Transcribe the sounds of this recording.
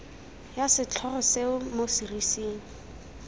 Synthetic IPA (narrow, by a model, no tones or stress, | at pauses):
jasɪt͡ɬʰɔrɔseʊmosirisiːŋ̩